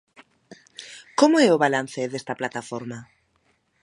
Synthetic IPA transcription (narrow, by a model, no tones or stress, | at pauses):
komoɛoβalan̟θeðest̪aplat̪afoɾma